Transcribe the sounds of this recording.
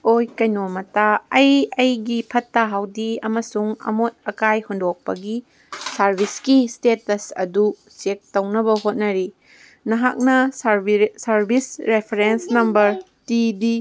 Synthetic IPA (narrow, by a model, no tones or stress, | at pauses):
ojkɐjnomɐtaɐjɐjɡipʰɐtːaɦawdiɐmɐsuŋɐ̰mot̚ɐkajhondok̚pɐɡi | sɐɾbʱiskistetɐsɐ̰du | sek̚tɐwnɐbɐɦot̚nɐɾi | nɐɦa̰k̚nɐsɾbsɐɾbʱisɾepʰeɾensnɐmbɐɾ | tidi